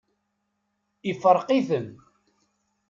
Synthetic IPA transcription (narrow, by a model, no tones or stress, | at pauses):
ifəɾˤqiθəm